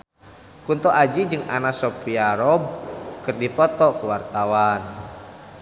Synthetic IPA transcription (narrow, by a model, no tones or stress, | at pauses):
kunt̪ɔʔad͡ʒid͡ʒɨŋa̰nasɔpiaɾɔb̚kɨrdipɔt̪ɔkuwart̪awan